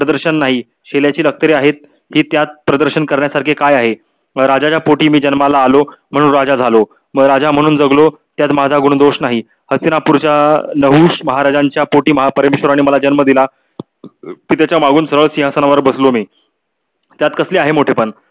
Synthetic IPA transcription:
pɾəd̪əɾɕənːaɦi | ɕeljat͡ɕiːlək̚t̪əɾeaɦet̪̚ | hiːt̪jat̪̚pɾəd̪əɾɕənkəɾɳjasaɾkʰekajaɦe | ɾad͡ʑat͡ɕapoʈiːmiːd͡ʑənmalaːlom̤əɽ̃uːnɾad͡ʑad͡zʱalo | mɾad͡ʑam̤əɽ̃uːnd͡zəɡlo | t̪jat̪mad͡zʱaɡuɳ̃d̪oɕnaɦi | həsinapuɾt͡ɕanəɦuːɕməɦaɾad͡ʑaɲt͡ɕjapoʈiːməɦapəɾmeɕʋəɾaɽ̃iməlad͡ʑənməd̪ila | pit̪at͡ɕjamaɡuːnsəɾəɭsĩɦasənaʋəɾbəslomiː | t̪jat̪kəsleaɦemoʈʰepəɳ

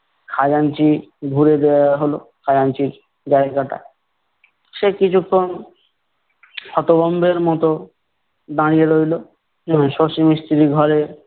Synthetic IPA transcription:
kʰad͡ʑant͡ɕibʱuɾed̪eaɦolokʰad͡ʑant͡ɕiɾ | d͡ʑaeɡaʈa̰ | ʃekit͡ɕʰukʰːon | hɔt̪obɔmbeɾmɔt̪o | d̪ãɽijeɾojlo | d͡ʑɔmoʃoʃimist̪iɾiɡʱɔɾe

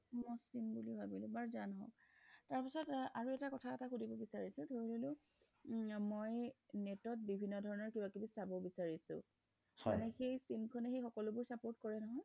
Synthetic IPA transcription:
mɔsimbuliɦabilʊbaɹzanɦɔ̰̃ktaɹpisɔtaɹuɛtakɔtʰaɛtaxudibɔbisaɹisʊ̃dʱoɹlolʊ | mojnetɔt̚bibʱinːɔdʱɔɹɔnɔɹkibakibisabɔbisaɹisʊ̰̃ | ha̰nɛxejsimkʰɔnɛxejxɔkɔlʊbʊɹsapoɹtkɔɹɛnɔɦɔj

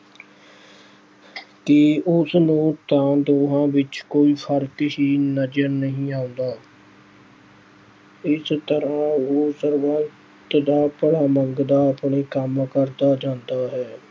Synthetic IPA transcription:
kɪʊsnũːt̪ãːd̪oːɦãːʋɪt͡ʃkoːiːhəɾkɪʃiːnəd͡ʒəɾnəɦĩːaːʊ̃nd̪aː | ɪst̪əɾãːoːsəɾʋaəː | t̪d̪aːpəɽaːməŋɡd̪aːəpɳeːkəmkəɾd̪aːd͡ʒãːnd̪aːɦɛː

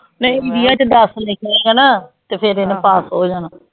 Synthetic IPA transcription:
nəĩɪɖijaːt͡ʃd̪əslẽːkəɾẽːɡaːnaːt̪eːpʰeɾeneːpaːsɦoːd͡ʒaːnaː

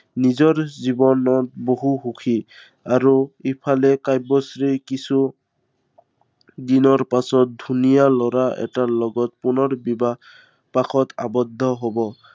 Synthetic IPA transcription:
nizɔɹzibɔnɔt̚boɦuxukʰi | aɹuipʰalɛkajbɔsɹikisu | dinɔɹpasɔt̚dʱunijalɔɹaʔɛ̰talɔɡɔtpunɔɹbiba | paxʰɔta̰bɔdʱːɔɦobɔ

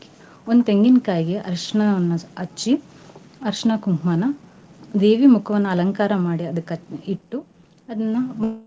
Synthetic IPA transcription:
ond̪ut̪eŋɡinkaːjiɡeʔɐɾʂɐɳɐɐnːɐɐt͡ʃːi | ɐɾʂɐɳɐkumɦmaːnɐ | d̪eːʋimukʰɐʋɐnːɐɐlɐŋkaːɾɐmaːɽiɐd̪ɐkːɐiʈːu | ɐd̪ɐnːɐ

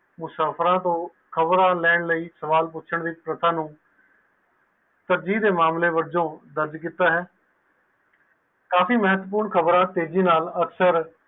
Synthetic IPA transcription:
mʊsaːpʰɾãːt̪õː | kʰəbɾãːlɛːɳləiːsəʋaːlp̬ʊtːt͡ʃʰəɳd̪iːpɾət̪ʰãːnũː | t̪əɾd͡ʒiːd̪eːmaːmleːʋəɾd͡ʒõːd̪əɾd͡ʒkiːt̪aːɦɛː | kaːfiːməɦət̪ːp̬uːɾɳkʰəbɾãːt̪eːd͡ʒiːnaːləksəɾ

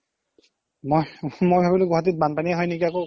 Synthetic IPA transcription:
mojmojbʱabilʊɡɔɦat̬it̚banpaniaɦɔjnikiako

